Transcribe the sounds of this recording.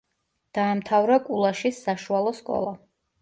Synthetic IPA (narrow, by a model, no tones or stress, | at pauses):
d̪̥aːmt̪ʰavɾakʼulˠaʃisːaʃualˠɔskʼɔ̰lˠa